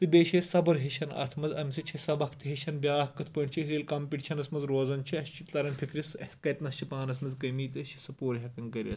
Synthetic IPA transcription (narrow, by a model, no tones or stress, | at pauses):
t̪ɨbʲeːʃesɐbɐɾɦeʃɐnɐ̰ɾt̪ʰmɐzɐ̰mʲsit͡ʃʰisɐbɐkʰt̪iɦeʃɐnbʲaːɦkːɨt̪ʰpɐɳt͡ʃʰiiːlʲkɐmpʲiʈt͡ʃʰɐnɐsmɐzɾoːzɐnt͡ʃʰiɐst͡ʃʰilɐɾɐnfʰʲikʰɾisɐsʲkɐt̪nɐst͡ʃʰipaːnɐs̬mɐzɡɐmiːt̪ɐst͡ʃʰi̥sɐpoːɾʲɦɐkɐŋkɐɾʲɐ̰t̪